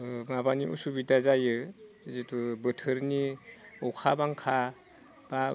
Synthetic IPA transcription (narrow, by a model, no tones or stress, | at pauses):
mabaniʔṵsubitazajɯ | zetʰubɯtʰɯɾniɔwkʰabaŋkʰa | b̥a